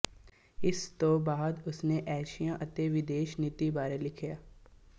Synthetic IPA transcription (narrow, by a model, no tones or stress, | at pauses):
ɪst̪obaːd̪ʊsneʔɛːʃijãʔɐt̪eʋɪd̪eːʃnɪt̪ibaːɾelɪkʰjaː